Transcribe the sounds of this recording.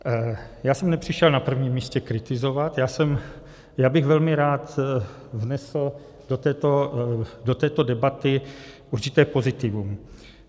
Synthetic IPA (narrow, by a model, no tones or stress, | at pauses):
jaːsɛmnɛpr̝̥ɪʃɛlnapr̩vɲiːmːiːscɛkɾɪt̪ɪzovat̪jaːsɛm | jaːbɪɣvɛlmɪɾaːt̪ | vnɛsl̩ | dot̪ɛːt̪odot̪ɛːt̪odɛbat̪ɪʔuɾt͡ʃɪt̪ɛːpo̞zɪt̪ɪvum